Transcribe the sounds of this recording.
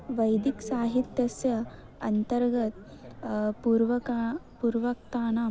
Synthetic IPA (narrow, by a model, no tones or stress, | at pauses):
ʋɐjd̪iksaːɦit̪jɐsjɐ | ɐnt̪ɐɾɡɐt̪̚ | puːɾʋɐkapuːɾʋɐk̚t̪aːnaː